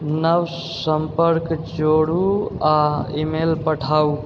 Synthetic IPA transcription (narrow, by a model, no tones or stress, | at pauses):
nəw | səmpəɾkd͡ʒoɽuaimelpəʈʰau